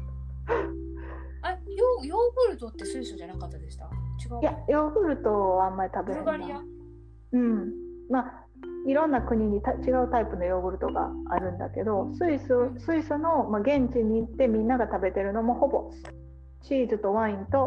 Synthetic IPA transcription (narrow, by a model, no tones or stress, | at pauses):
ajojoːɡɯ̟ɾɯ̟t̪ot̪ːe̞sɨisod͡ʑanakat̪ːad̪esɨ̥t̪at͡ɕiɡajajo̞ːɡɯ̟ɾɯ̟t̪o̞βaamːaɾʲit̪abe̞ɾai | ɯ̟̃ɴma | iɾõ̞nːakɯ̟ɲ̟iɲ̟it̪at͡ɕiɡaɯ̟t̪aipɯ̟no̞jo̞ːɡɯ̟ɾɯ̟t̪o̞ɡa̰aɾɯ̟̃nd̪a̰ke̞d̪o̞sɨisɨsɨisɨno̞maɡẽ̞ɲ̟t͡ɕiɲ̟iːt̪ːe̞mʲĩnːaɡat̪abe̞t̪e̞ɾɯ̟no̞mo̞ho̞bo̞ | t͡ɕiːzɨt̪o̞βãĩnt̪o̞